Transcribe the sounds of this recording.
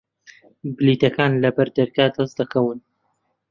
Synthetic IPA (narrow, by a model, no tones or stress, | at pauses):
bɨliːt̪ɐkʰaːnlɐbɐɾd̪ɐɾɡaːd̪ɐsd̪ɐkʰɐwɨn